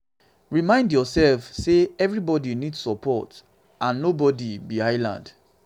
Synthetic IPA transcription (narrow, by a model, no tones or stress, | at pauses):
ɹimãɪ̃ndjɔsɛlfseɛvɹibɔdinidsɔpʰɔt | ãnːobɔdibiaɪlã̰nd